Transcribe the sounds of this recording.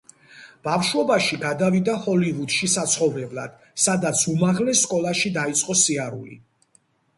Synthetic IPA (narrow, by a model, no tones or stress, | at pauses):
b̥afʃɔbaʃiɡad̪avid̪ahɔlivud̪̥ʃisat̪sʰχɔvɾɛblˠad̪̥ | sad̪at̪sʰumaʁlɛsːkʼɔlˠaʃid̪ait̪sʼqʼɔsiaɾṵlḭ